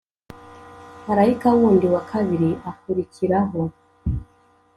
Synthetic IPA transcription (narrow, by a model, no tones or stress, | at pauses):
haɾaikawɔndiwakʰaðiɾiafuɾikʰiɾaɦɔ